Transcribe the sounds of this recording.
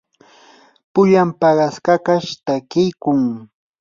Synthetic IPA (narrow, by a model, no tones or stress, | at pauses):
pʊʎampɑɢɑskakaʃt̪akɪjkʊŋ